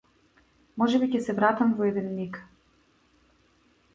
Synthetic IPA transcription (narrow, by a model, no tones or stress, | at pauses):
mɔʒɛbicɛsɛvɾat̪amvɔɛd̪ɛnnik